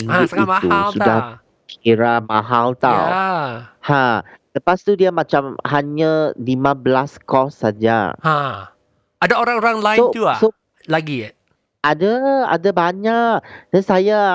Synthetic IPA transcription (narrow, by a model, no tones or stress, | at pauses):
naisiat̪ulsudah | kʰiɾamaɦalt̪a̰wahãləpast̪udiamãt͡ʃamhaɲalimãbəlaskɔsːad͡ʒa̰hã | adaoɾaŋoɾaŋlajot̪uaso | laɡi | ʔadaa̰dabaɲak̚d̥ansaja